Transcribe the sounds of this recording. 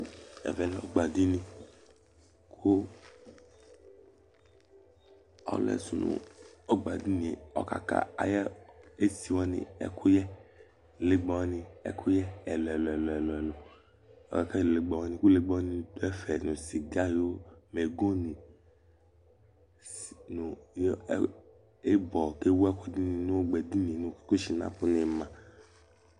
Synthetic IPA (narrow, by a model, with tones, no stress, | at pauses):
ɛ̰˨vɛ˨lɔ˦ɡ͡ba˨di˦nĩ˧ | kʰu˦ | ɔ̰˦lɛ̰˨su˨nṵ̃˨ɔ˦ɡ͡ba˨di˦nĩ˨ɔ̰˨ka̰˨ka̰˦a̰˨jɛ˦e˦si˨wɔ˦nḭ̃˨ɛ̰˦kʰu˦jɛ˦ | le˨ɡ͡bɔ˨wɔ˦nĩ˨ɛ̰˦kʰu˦jɛ˦ɛ˨lɔ˨ɛ˨lɔ˨lɔ˨ɛ˨lɔ˨ɛ˨lɔ˨ | ɔ̰˨ka˨ka˦˨le˨ɡ͡ba˨wɔ˧nĩ˧˨ku˦le˦ɡ͡bɔ˦ɔ˦nĩ˧du˨˦ɛ˦fɛ˨nũ˨si˨ɡa˦jo˦me˨ɡo˦nĩ˨ | nu˨˦ | e˦bɔ˨ke˦wɛ˦ku˦di˦nĩ˧nu˦ɡ͡bɛ˨di˦ni˨nũ˧˨ke̥˦ku˦ʃi˨nã̰˦pu˦ni˧mã˨